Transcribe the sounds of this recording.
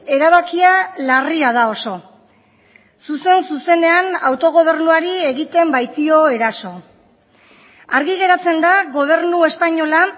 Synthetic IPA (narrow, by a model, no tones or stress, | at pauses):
e̞ɾaβ̞akialariað̞ao̞so̞ | suse̞nsuse̞ne̞anawt̪o̞ɣ̞o̞β̞e̞ɾnuaɾie̞ɣit̪e̞mbajt̪io̞e̞ɾaso̞ | aɾɣiɣe̞ɾat͡se̞nd̪aɣo̞β̞e̞ɾnue̞spaɲo̞la